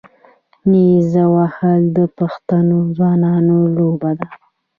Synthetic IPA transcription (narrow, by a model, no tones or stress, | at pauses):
nizawahəld̪əpaxt̪anozwɑnɑnolobad̪a